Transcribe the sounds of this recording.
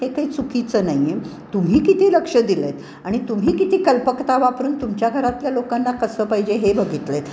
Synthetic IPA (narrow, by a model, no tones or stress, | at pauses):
ɦekaɦiːt͡sukit͡səːnaje | t̪um̤iːkit̪ʰiːləkʂəd̪ilet̪ | aɽ̃it̪um̤iːkit̪iːkəlpəkt̪aʋapɾuːnt̪umt͡ɕjaɡʱəɾat̪ljalokanːakəsəːpaɦid͡ʑeɦebəɡʱit̪let̪